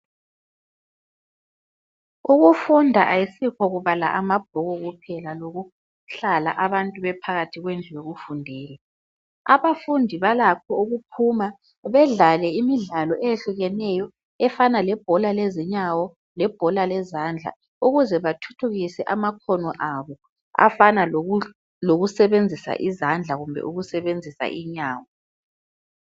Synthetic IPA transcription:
uɣufundʱaʔajisikʰɔɣuβala̰ʔamab̥̚ʱɔɣɔɣupʰɛlaloɣu | ɬala̰ʔaβantʼuβɛpʰaɣatʰiɣwend͡ɮʱujeɣufundʱɛːlɔ | aβafundʱiβalakʰɔuɣupʰuma | βɛɮalɛimiɮalɔʔejeɬuɣɛnɛjɔ | ɛfanalɛb̥ʱɔlalɛzɛɲawɔ | lɛb̥ʱɔlalɛzand͡ɮʱa̰ | uɣuzɛβatʰu̥tʰuɣisɛʔamakʰɔnɔʔaβɔ | a̰fana | loɣusɛβend͡zʱisa̰ʔizand͡ɮʱaɣumbʱɛ̰ʔuɣusɛβend͡zʱisa̰ʔiɲaːwɔ

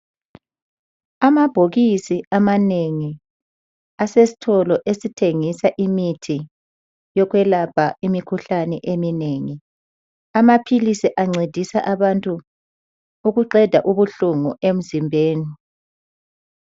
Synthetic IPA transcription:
amab̥ʱoɣisiamaneŋi | asesi̥tʰɔlɔʔesitʰeŋisaʔimitʰi | jɔɣwɛlapʰaimikʰuɬanɛʔemineːŋi | amapʰilisiʔaŋ͡ǀed̥ʱisaʔaβantʼuː | ɣuǃɛd̥ʱaʔuβuɬuŋuʔem̩zimbʱeːni

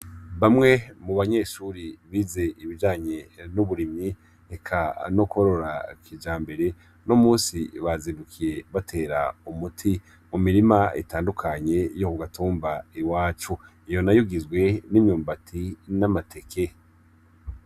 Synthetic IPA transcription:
βamŋe̞muβaɲe̞ːʃuɾiβize̞ʔiβid͡ʒaːɲe̞nuβuɾimɲi | ekʰanokuoɾo̞ɾa̰kʰid͡ʒaːmbe̞ɾe̞ | nomuːsiβaziβukʰije̞βatʰe̞ːɾa̰umutʰi | mumiɾimaḭtaːndukʰaɲe̞jokuɡatuːmbaiwaːt͡ʃu | ijo̞najuɡizɡwe̞nimɲuːmbatʰinamatʰe̞kʰe̞

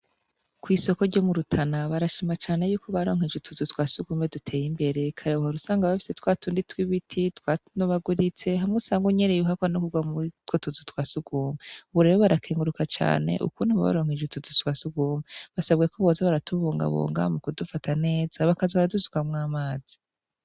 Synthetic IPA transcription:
kwiːso̞koɾɟo̞muɾutʰanaβaɾaʃimat͡ʃaːne̞juːko̞βaɾo̞ːŋ̥ed͡ʒetʰuzutwaːsuɡuːmedutʰe̞ːjimbe̞ɾe̞kʰaɾeɦoɾusaːŋɡaβafi̥setwaːtuːnditwiβitʰitwanoβaɡuɾit͡se̞ɦamŋusaːŋɡoɲenejuɦakwanokuɡwamutkwotuzutwaːsuɡ̥uːmeuβuɾe̞βoβaɾakʰeːŋɡuɾukat͡ʃa̰ːne̞̰ʔṵkuːndiβaβa̰ɾo̞ːŋ̥ed͡ʒutuzutwaːsuɡuːmeβasaβɡekoβo̞ːzaβaɾatuβuːŋɡa̰βo̰ːŋɡa̰mukudufatane̞ːzaβakaziβaɾaduzu̥kamŋaːmaːz̥i̥

